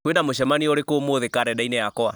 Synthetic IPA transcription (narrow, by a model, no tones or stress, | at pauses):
kwedamoʃɛmanioɾekoːmoðekaɾɛdainɛjakɔa̰